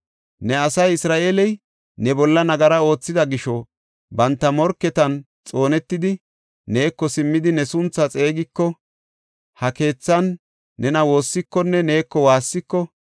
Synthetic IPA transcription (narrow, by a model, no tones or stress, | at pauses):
nɛɐsɐjɪsɾaːʔelɛj | nɛbɔlːɐnɐɡɐɾɐo̞ːt͡sːɪd̪ɐɡɪʃɔ | bɐnt̪ːɐmɔɾkːɛt̪ɐn | t͡sʼo̞ːnɛt̪ːɪd̪ɪ | ne̞ːkːɔsɪmːɪd̪ɪnɛsʊnt͡sːɐt͡sʼe̞ːɡɪkːɔ | hɐke̞ːt͡sːɐnː | ɛnɐwo̞ːsːɪkːɔnːɛne̞ːkːɔwaːsːɪkːɔ